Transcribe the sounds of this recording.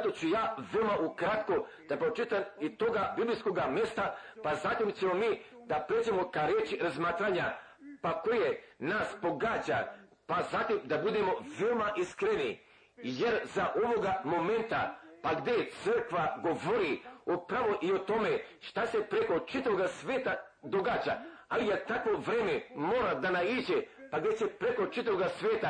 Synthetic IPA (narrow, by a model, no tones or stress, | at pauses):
t̪o̞t͡ɕujaːʋeomaʔukɾat̪ko | d̪̥apɾot͡ʃit̪amit̪o̞ɡabiblijsko̞ɡame̞st̪apazat̪imt͡ɕemomiːd̪apɾed͡ʒemokaɾet͡ʃiɾazmaːt̪ɾaɲa | pako̞jenaspo̞ɡad͡ʑa̰ | pazat̪imd̪abud̪emo̞ʋeomaʔiskɾeni | jeɾzaʔoʋo̞ɡamo̞me̞nt̪a̰paɡd̪et̪sər̩kʋaɡo̞ʋoɾiopɾaʋo̞ʔio̞t̪o̞meʃt̪ase̞pɾeko̞t͡ʃit̪aʋoɡasʋeːt̪a | d̪o̞ɡaːt͡ɕa̰alijet̪akʋo̞ʋɾeːmemoːɾad̪anaiːd͡ʑepaɡd̪esepɾeko̞t͡ʃit̪aʋoɡasʋeːt̪a